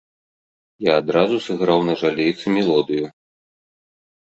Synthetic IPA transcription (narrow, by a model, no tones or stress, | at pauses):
jaːd̪ɾazusɨɣɾawnɐʐalʲejt̪sɨmʲɛlˠɔd̪ɨju